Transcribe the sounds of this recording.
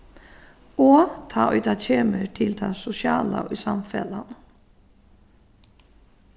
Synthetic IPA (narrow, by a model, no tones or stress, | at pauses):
ot̪ʰɑːʔœʏt̪at͡ɕʰeːməʈʰɪld̪asʊsjɑːla̰yːsamfɛlan